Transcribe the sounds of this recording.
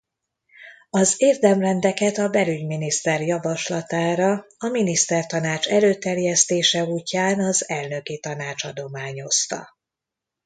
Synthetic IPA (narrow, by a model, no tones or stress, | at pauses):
ɒzeːrd̪ɛmrɛnd̪ɛkɛt̪ɒbɛlyɟminist̪ɛrjɒvɒʃlɒt̪aːɾɒɒminist̪ɛrt̪ɒnaːt͡ʃɛløːt̪ɛrjɛst̪eːʃɛuːcːaːnɒzɛlnø̞kit̪ɒn̪aːt͡ʃɒd̪o̞maːɲo̞st̪ɒ̰